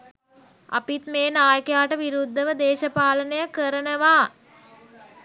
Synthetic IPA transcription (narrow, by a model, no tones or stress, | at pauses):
a̰pit̪meːnaːjəkəjaːʈəʋiɾud̪ʱːəʋəd̪eːʃəpaːlənəjəkəɾənəʋaː